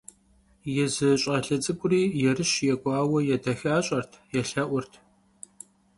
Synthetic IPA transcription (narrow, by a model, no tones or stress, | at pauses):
jɛzɨɕʼɐɬɐt͡sʼɨɡʷʼʊriːjɛrɨɕjɛɡʷʼɑːwɐjɛdɐxaːɕʼɐrtʰjɛɬɐʔʷʊrtʰ